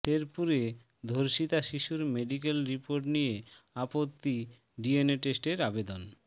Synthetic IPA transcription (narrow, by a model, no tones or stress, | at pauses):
t̪eɾpuɾe | d̪ʱoɾʃit̪aʃiʃuɾmeɖik̬elɾipoɾʈnije | apot̪ːi | ɖieneʈesʈeɾabed̪on